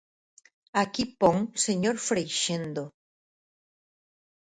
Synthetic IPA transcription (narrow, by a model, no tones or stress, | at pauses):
akipoŋseɲoɾfɾejʃend̪o